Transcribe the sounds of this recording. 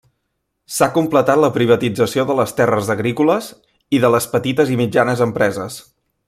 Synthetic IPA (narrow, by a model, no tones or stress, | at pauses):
sakumplət̪at̪ləpɾiβət̪id͡zəsioðələst̪ɛrəzəɣɾikuləz | iðələspət̪it̪əzimid͡ʒanəzəmpɾɛzəs